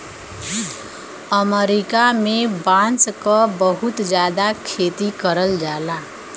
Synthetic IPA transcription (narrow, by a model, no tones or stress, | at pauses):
əməɾɪkamẽbãːnskabəɦʊt̪d͡ʒjaːd̪akʰeːt̪ikəɾəld͡ʒaːlaː